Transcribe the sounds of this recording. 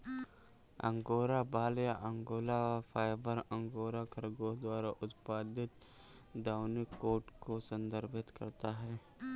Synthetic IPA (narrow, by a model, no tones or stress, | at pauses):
ɐ̰̃ŋɡoːɾabaːljaʔə̃ŋɡoːlaapʰaːɪbəɾɐ̃ŋɡoːɾakɐɾɡod̪waːɾaʔʊt̪paːd̪ɪt̪ | ɖaːʊnikoːɾʈkosɐ̃nd̪əɾbɪt̪kɐ̰ɾt̪aɦɛː